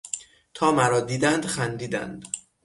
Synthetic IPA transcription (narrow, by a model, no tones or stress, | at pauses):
t̪ʰɒːmæɾɒːd̪iːd̪ænd̪xænd̪iːd̪æ̰nd̪̥